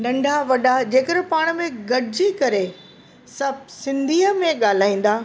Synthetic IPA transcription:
ɗɐ̃ɳɖʱaʋɐɗad͡ʑeːkəɗɪpaːɽ̃̆mẽɡɐɽɪd͡ʑikɐɾe | sɐb̚ʱsɪ̃nd̪ʱiːəmẽɠaːl̤aːĩːn̆d̪aː

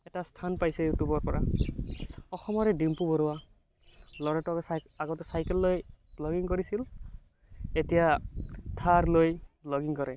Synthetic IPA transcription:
ɛtastʰanpajsɛjutubɔɹpɔɹa | ɔxɔmɔɹɛdimpubɔɹʊwa | lɔɹɛtɔks | aɡɔtɛsajkɛlːojblɔɡiŋkoɹisil | etijatʰaɹlojplɔɡiŋkɔɹɛ

